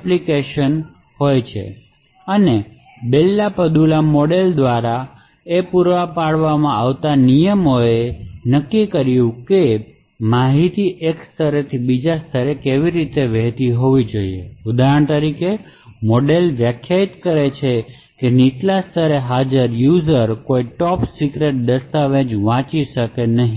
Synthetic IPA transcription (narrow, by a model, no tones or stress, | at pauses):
plikeʃən | hojt͡ʃʰḛ | əne | belːapəd̪ulamɔɖeld̪ʋaɾa | epuɾʋapaɽʋamãaʋt̪anijəmoenəkːikəɾjũke | maɦit̪iʔekst̪ʰəɾet̪ʰibid͡ʒast̪ʰəɾekeʋiɾit̪eʋɛɦt̪iɦoʋid͡ʒoieud̪ʱaɾəɳ̃t̪əɾikemɔɖelʋjəkʰjait̪kəɾet͡ʃʰe | keniʈlast̪ʰəɾeɦad͡ʒəɾjuzəɾkoiʈɔpsikɾeʈ̚d̪əst̪aʋẽd͡ʒʋãt͡ʃiʃəkenəɦĩ